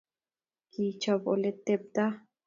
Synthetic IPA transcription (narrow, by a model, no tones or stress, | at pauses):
kit͡ʃabo̰let̪eb̚d̪a